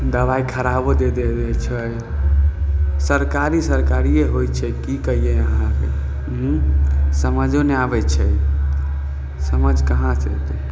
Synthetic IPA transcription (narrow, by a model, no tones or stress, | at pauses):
d̪əβaikʰəɾabod̪ed̪ed̪ɛt͡ʃʰəj | səɾkaɾisəɾkaɾijeɦojt͡ʃʰɛkikəɦijeəɦãkḛ | ɦ̩ | səməd͡ʒʱoneabɛt͡ʃʰəj | səməd͡ʒʱkəɦãsḛt̪